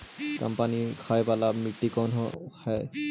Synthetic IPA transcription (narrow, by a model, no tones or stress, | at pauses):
ka̰mpanikʰajbalamiʈːikɔnɦɔhɛ